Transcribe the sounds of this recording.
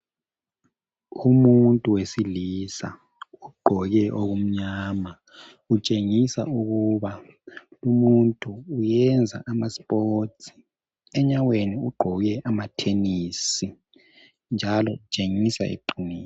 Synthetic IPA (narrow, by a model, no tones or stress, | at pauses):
umuntʼuwesilisa̰ | uɡ͡ǃʱɔɣɛʔoɣum̩ɲaːma | ut͡ʃʼeŋisa̰uɣuβa | umuntʼuːjɛnd͡zʱa̰ʔamaspʼoːtʰi̥ | ɛɲaweniuɡ͡ǃʱɔɣɛʔamatʰenisi | nd͡ʒʱalɔut͡ʃʼeŋisa̰ḛǃiniː